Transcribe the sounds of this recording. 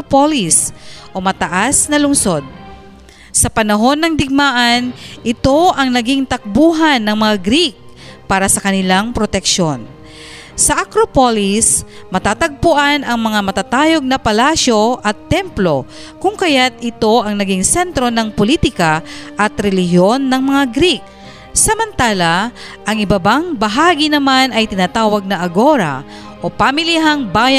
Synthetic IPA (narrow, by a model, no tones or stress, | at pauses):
polisʔo̞mɐt̪ɐʔasnɐlʊŋso̞d̪̚ | sɐpɐnɐɦo̞nːɐŋd̪ɪɡ̚maːʔanʔɪt̪o̞ʔɐŋnɐɡiŋt̪ɐk̚buːɦanːɐŋmɐŋaɡɾik̚ | paːɾɐsɐkɐnɪlaŋpɾot̪ɛkʃo̞n | sɐʔɐkɾopolis | mɐt̪aːt̪ɐɡ̚pʊʔanɐŋmɐŋamɐt̪at̪aːjo̞ɡ̚nɐpɐlaːsjo̞ʔɐt̪ːɛmplo̞ | kʊŋkɐjat̪ɪt̪o̞ʔɐŋnɐɡiŋsɛnt̪ɾo̞nɐŋpoliːt̪ɪkaʔɐt̪ɾɛlɪɦjo̞nːɐŋmɐŋaɡɾik̚ | sɐmɐnt̪aːlɐ | ʔɐŋʔɪbɐbaŋbɐɦaːɡinɐmanɐjt̪ɪnat̪aːwɐɡ̚nɐʔɐɡo̞ɾa̰ | ʔo̞pamɪliɦaŋbaːjɐ